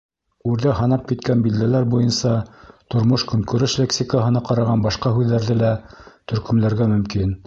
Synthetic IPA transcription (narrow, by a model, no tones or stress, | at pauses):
ʉɾðæɦɑnɑp̚kit̪kænbild̪ælæɾbujɤnsɑt̪ŏɾmoʃkɵ̆ŋkɵ̆ɾɘʃlʲeksʲikaɦɤ̆nɑqɑɾɑʁɑnbɑʃqɑɦʉðːæɾðɘlæt̪ɵ̆ɾkɵ̆mlæɾɡæmɵ̆mkin